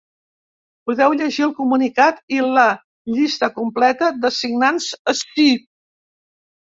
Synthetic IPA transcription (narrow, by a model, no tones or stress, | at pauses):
puðɛwʎəʒiəlˠkumunikat̪ilə | ʎist̪əkumplɛt̪əd̪əsiɡnanzəstip